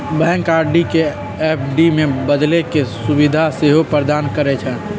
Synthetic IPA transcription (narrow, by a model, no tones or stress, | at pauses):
bɛ̃ːŋkaːɾɖike | epʰɖimẽbəd̪lekesubid̪ʱaseɦopɾəd̪aːnkəɾet͡ʃʰɛ̃